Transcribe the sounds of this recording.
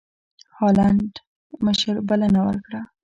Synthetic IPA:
hɑlaɳɖ | məʃəɾbəlanawə̰ɾkɽa

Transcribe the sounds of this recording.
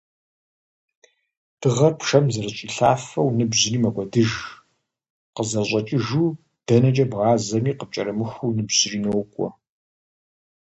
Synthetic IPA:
d̥ɨʁɐrpʂɐmzɐrɨɕʼiːɬaːfɐwnɨbʑɪniːmɐɡʷɔdɨʒ | qəzɐɕʷʼɐt͡ʃʼɪʒu | d̥ɐnɐt͡ʃʼɐbʁɑːzɐmiːqəp̚t͡ʃʼɐɾɐmɨxʷunɨbʑ̥ɪriːnowkʷʼɔ̰

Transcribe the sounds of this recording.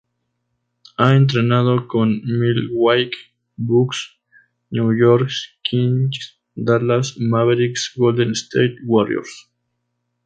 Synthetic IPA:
aent̪̬ɾenaðokonmilwajk | buks | njujoɾkskins | d̪alasmaβeɾiksɡold̪enst̪ejt̪waɾj̰o̰ɾs

